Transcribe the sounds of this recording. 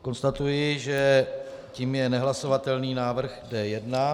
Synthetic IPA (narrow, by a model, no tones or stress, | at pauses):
ko̞nst̪at̪ujɪʒɛ | ciːmjɛnɛɦlaso̞vat̪ɛlniːnaːvr̩ɣɡdɛjɛdna